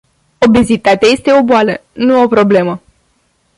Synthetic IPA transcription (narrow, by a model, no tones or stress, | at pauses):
o̞bezit̪at̪eaje̞st̪e̞o̞boalənuo̞pɾo̞ble̞mə